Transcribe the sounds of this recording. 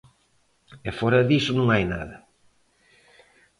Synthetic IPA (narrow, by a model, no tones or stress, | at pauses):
efɔɾɐðisʊnũŋajna̰ðɐ